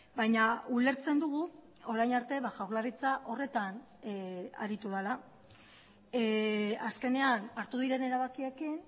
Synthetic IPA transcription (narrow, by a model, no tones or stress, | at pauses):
bajɲaule̞ɾt͡se̞nd̪uɣ̞u | o̞ɾajnaɾt̪e̞βaʝawɾlarit͡saʔo̞re̞t̪an | a̰ɾit̪uðala | aske̞ne̞anaɾt̪uðiɾe̞ne̞ɾaβakie̞kin